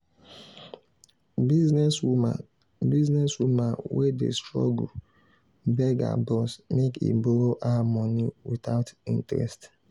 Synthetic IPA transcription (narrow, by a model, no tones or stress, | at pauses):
biznɛswuma | biznɛswumãnwʔedḛstɹɔ̰ɡu | bɛɡa̰bɔsmekḭboɾoʔamɔniwitaʊtĩntɛɾɛ̰st